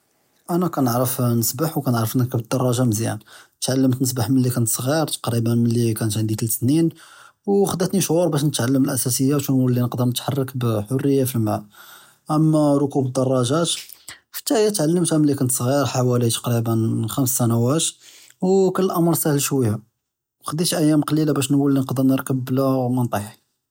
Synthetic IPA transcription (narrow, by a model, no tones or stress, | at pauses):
ʔænækænəʕɾəfnəsbaħwkænəʕɾəfnəkubəd̪ːɑrˤːɑʒɑmziæ̰nt̪ʕalːəmt̪nəsbaħmənlːikænət̪sˤɣiɾt̪ɑ̥qɾibənmənlːikænət̪ʕənd̪ik̪əlt̪snin | wxəd̪æt̪niʃʕʊɾˤbæʃ̬nət̪ʕalːəməlʔæsæsəjːaʃunulːinəqd̪əɾˤnət̪ħɑrˤːɑkbħorːəjːafilmʕa̰ʔ | ʔəmːæɾˤʊkubəd̪ɑrˤːɑʒæt̪ | fə̥t̪ːæjæt̪ʕalːəmt̪hæməlːikænət̪sˤɣiɾħawælit̪ɑ̥qɾibənxæmsːænæwæt̪ | wkəlːəʔɑmɾˤsæhəlʃwæjːa | wxəd̪it̪ʔæjːæmqɑlilabæʃnwəlːinəqd̪əɾˤnəɾkəbːlæmənt̪ˤɑħ